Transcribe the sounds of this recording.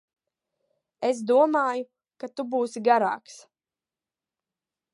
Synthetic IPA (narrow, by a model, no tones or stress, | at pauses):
esd̪uɔmaːju | kat̪ubuːsiɡaɾa̰ːks